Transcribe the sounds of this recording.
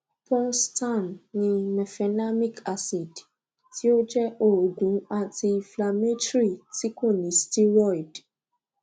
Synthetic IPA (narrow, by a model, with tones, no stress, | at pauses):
pɔ̃˦nstã˦˨nnĩ˧mɛ˨fɛ˧na˦mĩ˦˨ka˦si˨d | ti˦o˦d͡ʒɛ˦ʔo˦˨ɡũ˨˦a˦˨ti˧fla˨me˦tɾi˦˨ti˦kõ˦˨nĩ˨˦sti˦wɔ˦˨i˨d